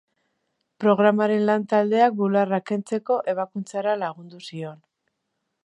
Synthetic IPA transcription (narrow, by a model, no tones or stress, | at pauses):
pɾo̞ɣ̞ɾamaɾe̞nlant̪ald̪e̞ak̚bularake̞nt͡se̞ko̞ʔe̞β̞akunt͡saɾalaɣ̞und̪usio̞n